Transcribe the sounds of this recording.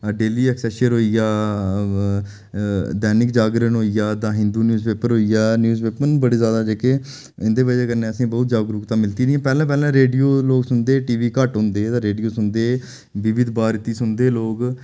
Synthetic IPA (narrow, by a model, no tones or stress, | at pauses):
ɖeːliːɛksɛʃəɾɦoːiːjaː | d̪ɛːnɪkd͡ʒaːɡɾənɦoːijaːd̪ãːɦɪ̃nd̪uːnjuːzpeːpəɾɦoːijaːnjuːzpeːpənbəɽeːzjaːd̪aːd͡ʒeːke | ɪ̃nd̪eːʋəd͡ʒeːkəɾnẽːəsĩːbɔːt̪̚d͡ʒaːɡɾʊkt̪ãːmɪlt̪iːɾːãːpɛːlãːpɛːlãːɾeːɖijoːloːɡsʊnd̪eːʈiːʋiːkəʈɦõːnd̪eːt̪ãːɾeːɖijoːsʊnd̪eː | ʋɪʋɪd̪baːɾt̪iːsʊnd̪eːloːɡ